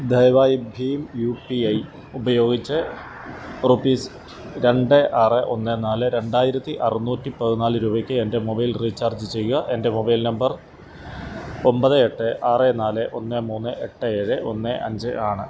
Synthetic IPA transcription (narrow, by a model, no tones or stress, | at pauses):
d̪ʱɐjʋaːjibʱiːmjupiɐj | ubɐjo̞ːɡit͡ɕːɨ | rupːiːs | ɾe̞ɳɖɨʔɐreʔo̞nːenaːlɨɾe̞ɳɖaːjiɾɐt̪ːiʔɐrunuːtːipɐðinaːlɨɾuːbɐkʲːɨende̞mobɐjlriːt͡ɕːaːrd͡ʑɨt͡ɕe̞jːuɣɐʔe̞nde̞mobɐjlnɐmbɐr | o̞mbɐðɨe̞ʈːɨʔɐrenaːlɨʔo̞nːɨmuːnːɨʔe̞ʈːɨeːɻɨʔo̞̰nːɨʔɐ̰ɲd͡ʑɨʔaːɳɨ